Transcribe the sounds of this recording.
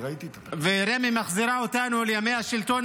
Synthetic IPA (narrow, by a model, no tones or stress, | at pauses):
it̪i | veɾemimaχziɾaot̪anualjamejaʃilt̪o̞n